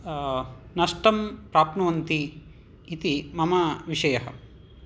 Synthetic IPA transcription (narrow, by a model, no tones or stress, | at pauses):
nɐʂʈɐmpɾaːpnɐʋɐnt̪iː | t̪imɐmɐʋiʂɐjɐɦɐ̆